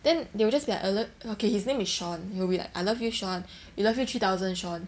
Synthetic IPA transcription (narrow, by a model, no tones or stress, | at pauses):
d̥ɛ̃ndewəld͡ʒasbila̰ʔələokehisnẽmisʃɔ̃nhiwbila̰ka̰ɪlʌfjuʃɔ̃n | wilʌvjutʰɹit̪aʊzə̃nʃɔ̃n